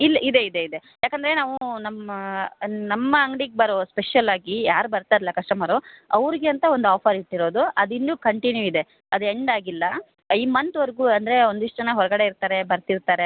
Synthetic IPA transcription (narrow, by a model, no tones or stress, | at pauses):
ilːʔid̪e̞id̪eid̪e̞ | jaːkɐnd̪ɾe̞naːʋunɐmɐnɐmːɐɐŋɡɽiɡ̚bɐɾospeʂjɐlaːɡijaːɾubɐɾt̪aːɾilːɐkɐʂʈɐmaːɾoɐʋɾiɡeɐnt̪ɐo̞nd̪uaːpʰɐɾiʈːiɾo̞ːd̪uɐd̪inɖuːkɐɳʈinjuid̪e̞ | ɐd̪ueɳɖaːɡilːɐ | iːmɐnt̪ʋɐɾɡuːɐnd̪ɐɾe̞o̞nd̪iʂʈɐɐnːɐɦɔɾɐɡɐɽe̞iɾt̪aːɾe̞bɐɾt̪iɾt̪aːɾe̞